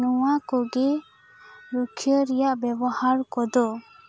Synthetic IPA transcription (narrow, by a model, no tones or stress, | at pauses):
nuwakɔɡe | ɾukʰijəɾɛjaʔbɛbɔhaɾkɔd̪ɔ